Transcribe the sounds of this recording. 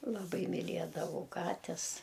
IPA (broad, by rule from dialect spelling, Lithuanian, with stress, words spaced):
lˠɐˈbɐɪ mʲɪˈlʲiɛdɐʋɐʊ ˈkɑːtʲɛs